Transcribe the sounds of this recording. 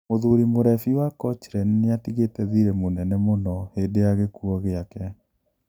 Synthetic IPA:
moðuɾimoɾɛfiwakɔt͡ʃeɾɛnneatiɣetɛðiɾɛmonɛnɛmonɔhedejaɣekuɔɣeakɛ

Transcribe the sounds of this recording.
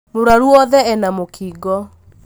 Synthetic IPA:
moɾaɾuɔðɛɛnamokʰiɡɔ

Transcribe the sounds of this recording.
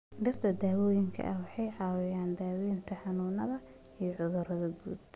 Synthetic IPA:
ɖɪrt̪ʰɐd̪aːwɔːjɪŋkʰɐ̰ʔɐwɑħɑjʕɑːwɪjaːnd̪aːwɔjɪnt̪ʰɐħɑnuːnɐðɐ | ijɞʕʊðʊɾɐðɐɡuːd̪

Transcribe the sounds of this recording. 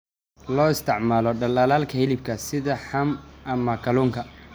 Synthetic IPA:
lɔːɪst̪ʰɪʕmaːlɔɖɐlaːlaːlkʰɐhɪlɪb̚kʰɐsɪðɐħɐmʔɐmɐkʰɐluːŋkʰɐ

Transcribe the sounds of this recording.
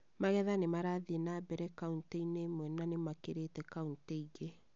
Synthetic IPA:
maɣɛðanemaɾaðenabɛɾɛkaunteinemwɛnanemakeɾetɛkaunteiɣe

